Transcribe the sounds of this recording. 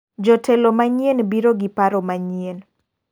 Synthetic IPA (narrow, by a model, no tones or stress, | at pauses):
d͡ʒɔtɛlomaɲienbiɾoɡipaɾomaɲien